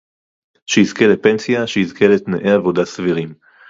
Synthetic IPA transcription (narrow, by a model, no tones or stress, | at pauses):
ʃehizkelepensijaʃeizkelet̪neʔeavo̞d̪asviʁim